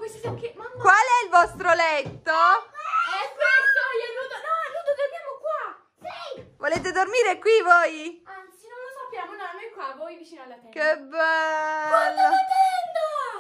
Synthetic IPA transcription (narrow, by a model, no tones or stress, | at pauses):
kwest̪sakemakwalɛilvɔst̪ɾolɛt̪ːo | ɛsestːoaut̪onɔnud̪okead̪jaːmokwa | sivoleːt̪ed̪ormiːɾekwivojant̪sinõjlosapːjaːmonanɛkːwavɔjvit͡ʃiːnalːafɛkebɛwalːoaɛnt̪o